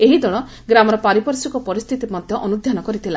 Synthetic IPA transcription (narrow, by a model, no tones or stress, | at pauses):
eɦid̪ɔɽ̃ɔ | ɡɾamɔɾɔpaɾipɔɾsikɔpɔɾist̪ʰit̪imɔd̪ʱjɔʔɔnud̪ʱjanɔkɔɾit̪ʰila